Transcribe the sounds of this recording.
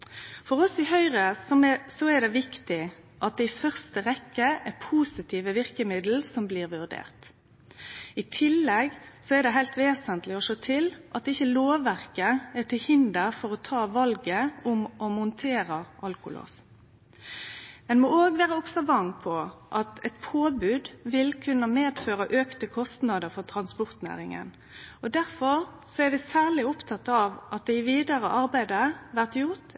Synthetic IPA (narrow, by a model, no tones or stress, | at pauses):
fɔʁɔsɪhœʏʁəsɔmɛsɔɛd̪ɛʋɪkt̪ɪ | ʔɑt̪̚d̪ɛɪfœʁst̪əʁɛkːəɛpʰuːsɪt̪ʰiːʋəʋɪʁkəmɪd̪l̩sɔmbliːʁʋʉʁd̪ḛːʁt̪ | ɪt̪ʰɪlːɛɡsɔɛɾd̪ɛɦæɪlt̪ʋeːsənt̪lɪɔʂoːt̪ʰɪlʔɑt̪̚ɪçːəloːʋʋæʁkəɛt̪ʰɪlhɪnd̪əɾfɔʁɔt̪ʰɑːʋɑlɡəʊmʔɔmʊnt̪ʰeːɾəʔɑlkʊ̰lo̰ːs | ɛnmɔoːɡʋeːʁəɔksɔʋɑŋpʰɔʔɑt̪ɛt̪pʰoːbʉd̪ʋɪlkʰʉnːəmeːd̪føːɾəʔøːkt̪əkʰɔst̪nɑd̪əɾfɔʁt̪ʰɾɑnspɔɾt̪næ̰ːɾɪŋə̰n | ɔd̪æɾfɔɾ | sɔæɾʋɪsæːlɪʊpt̪ʰɑt̪ːɑʋɑt̪̚d̪ɛɪʋiːd̪ɑɾə̰ʔɑɾbæɪd̪əʋæʁt̪jʊʁt̪